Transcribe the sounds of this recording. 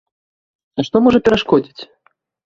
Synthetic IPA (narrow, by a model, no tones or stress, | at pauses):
ɐʂt̪ɔmɔʐɐpʲɛɾaʂkɔd͡zʲit͡sʲ